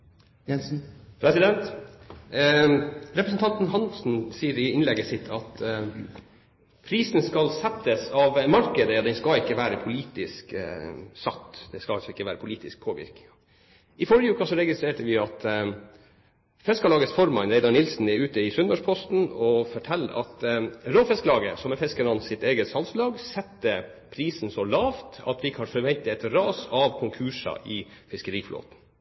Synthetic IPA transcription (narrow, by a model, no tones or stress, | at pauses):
jɛspʰɾɛsɪd̪ɛnt̪ | ɾɛpɾəsnt̪ʰɑnt̪n̩ɦɑnsn̩siːəɾɪɪnlɛɡəsɪt̪ʰɑt̪ | pʰɾiːsnskɑlsɛpt̪əsɑʋmɑɾkəd̪əd̪ɛnskɑɪkːəʋæːɾəpʰʊliːt̪ɪsk | sɑt̪ːd̪̥ɛskɑɑlsɔɪkːəʋæːɾəpʰʊliːt̪ɪsk̚pʰoːʋɪ̰ɾkɪ | ɪfɔɾjəʉːkɑsɔɾɛɡɪst̪ɾeːʈəʋɪɑt̪ | fɛskɑlɑːɡəsfɔɾmɑnɾɛɪd̪ɑnɪlsn̩ɛʉːt̪əɪsʉnəʂpʰɔst̪n̩ɔfɔʈʰɛlːəʔɑ̰t̪ɾoːfɛskəlɑːɡəsɔmɛfɛskəɳɑnsɪt̪eːɡəsɑlslɑːɡsɛt̪ːə | pʰɾiːsn̩sɔlɑːft̪ɑ̰t̪ʋɪkːhɑːɾfɔɾʋɛnt̪ɪɛt̪ɾɑːsɑʋkʰʊŋkʰʉːʂɑ̰ʔɪfɪskəɾiːflo̰ːt̪n̩